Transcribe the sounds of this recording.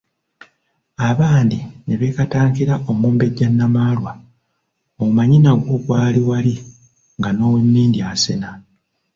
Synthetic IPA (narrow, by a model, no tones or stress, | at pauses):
aβaːndine̞βekataːŋkiɾaʔo̞muːmbe̞ɟːanːamaːlwa | oumaɲinaɡwo̞ɡwaːliwali | ŋɡano̞ːwe̞mːiːndiasena